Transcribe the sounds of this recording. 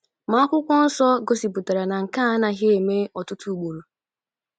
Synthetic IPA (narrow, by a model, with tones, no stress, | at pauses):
ma˨˦a˦kʷʊ˦kʷɔ˦n̩˦sɔ˦ɡo˦si˨pu˨ta˨ɾa˨na˨ŋ̩˨ka˦a˦na˨ɦe˦e˨me˦ɔ˨tʊ˦tu˦u˦ɡ͡bo˨ɾo˨